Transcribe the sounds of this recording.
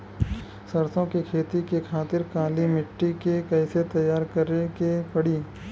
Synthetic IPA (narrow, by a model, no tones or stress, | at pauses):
sɐɾsõkekʰeːt̪ikekʰaːt̪ɪɾkaːlimɪʈːikekɐɪset̪ɐjːaːɾkɐɾekepɐɽiː